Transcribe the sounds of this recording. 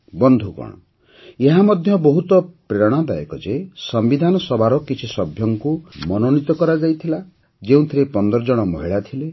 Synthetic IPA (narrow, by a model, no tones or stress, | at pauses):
bɔnd̪ʱukɔ̰ɽ̃ɔ̰ | eɦamɔd̪ʱjɔbɔɦut̪ɔpɾeɾɔɽ̃ab̪aḛkɔ̰d͡ʒesɔmbid̪ʱanɔsɔbʱaɾɔkit͡ʃʰisɔbʱjɔŋkumɔnonit̪ɔkɔɾad͡ʒajt̪ʰila | d͡ʒeũt̪ʰiɾepɔnd̪ɔɾɔd͡ʒɔɽ̃ɔmɔɦiɭat̪ʰile